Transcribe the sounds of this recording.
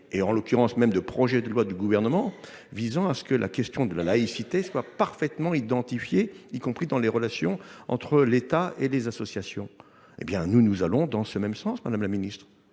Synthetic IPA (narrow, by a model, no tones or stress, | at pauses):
eɑ̃lɔkʲyʁɑ̃smɛmd̪əpχɔʒɛd̪əlwad̪yɡuvɛʁnəmɑ̃ | vizɑ̃asə̥kəlʔa̰kʲɛst̪jɔ̃d̪əlalaisit̪eswapaʁfɛt̪mɑ̃id̪ɑ̃t̪ifjeikɔ̃pχid̪ɑ̃leʁəlasjɔ̰̃ɑ̰̃t̪χəlet̪aelezasɔsjasjɔ̃ | ḛbjɛ̃nunuzalɔ̃d̪ɑ̃səmɛmsɑ̃smad̪amlaminist̪χ